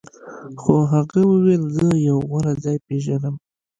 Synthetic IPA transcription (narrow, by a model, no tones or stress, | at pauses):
xoɦaɣawəwelzəjawɣaɾazɑjpeʒənəm